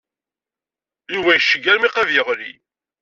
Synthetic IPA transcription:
iwæjʃːəɡæɾmiqævjəʁlḭ

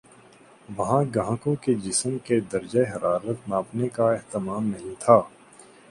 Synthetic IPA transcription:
ʋɐɦãɡãːkõked͡ʒɪsmked̪ɐɾd͡ʒəeɦɐɾʔaːɾət̪naːpnekaɪɦt̪ɪmaːmnɐɦĩt̪ʰaː

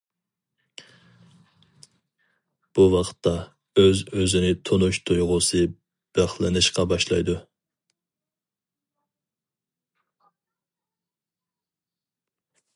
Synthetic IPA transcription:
b̥uwɑqʰt̪ʰːɑ | øzøzɪnɪt̪ʰonuʃt̪ʰujʁʊsɨ | b̥æχlˠɪnɨʃqɑbɑʃlˠɑjd̪u

